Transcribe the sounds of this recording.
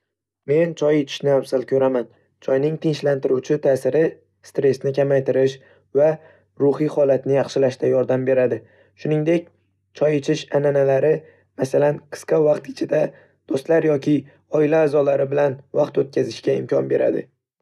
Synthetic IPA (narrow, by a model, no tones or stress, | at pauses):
me̞nt͡ʃʰɒjet͡ʃʰɪ̥ʃnɪawsalkʲʰɵɾaman | t͡ʃʰɒjnɪŋt̪ʰɪŋʃlant̪ɪɾuwt͡ʃʰɪt̪ʰaːsɪɾɪ | st̪ɾe̞snɪkʲamajt̪ɪɾɪʃ | va | ɾʊhiχɒlat̪nɪjɑχʃɪlaʃt̪ajɒɾd̪ambe̞ɾad̪ɪ | ʃʊnɪŋd̪e̞kʲ | t͡ʃʰɒjet͡ʃʰɪʃananalaɾɪ | masalanqʰɨ̥sqɑvɑqt̪ɪ̥t͡ʃʰɪd̪a | d̪̥ost̪laɾjɒkʲʰɪ | ɒɪlaːzɒlaɾɪbɪlanvɑqt̪ot̪̚kʲazɪʃkʲaɪmkʰʲɒnbe̞ɾa̰d̪ɪ̰